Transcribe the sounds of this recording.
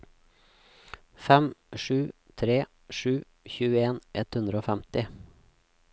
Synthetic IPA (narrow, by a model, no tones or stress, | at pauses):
fɛmʂʉː | t̪ʰɾeː | ʂʉː | çʉːəeːnʔɛt̪hʉnd̪ɾəoːfɛmt̪ɪ